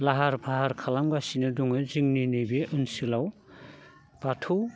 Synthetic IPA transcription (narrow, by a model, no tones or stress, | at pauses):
laɦaɾbʰʱaɦaɾkʰalamɡasinɯduŋɯziŋninijbeʔunsilaw | b̥atʰu